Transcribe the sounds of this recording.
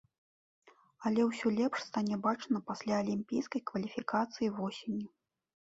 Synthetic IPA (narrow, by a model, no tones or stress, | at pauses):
ɐlʲɛwsʲɔlʲɛpʂst̪anʲɛbat͡ʂnɐpasʲlʲaɐlʲimʲpʲijskɐjkvɐlʲifʲikat̪sɨjivɔsʲenʲju